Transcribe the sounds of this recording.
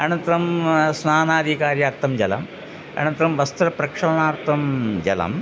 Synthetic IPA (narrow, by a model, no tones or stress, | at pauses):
ɐnɐnt̪ɾɐmsnaːnaːd̪ʱikaːɾjɐːɾt̪ʰːɐmd͡ʑɐlɐ̰m | ɐ̰nɐnt̪ɾɐmʋɐst̪ɾɐpɾɐkʂɐmɐɳaːɾt̪ʰɐmd͡ʑɐ̰lɐ̰m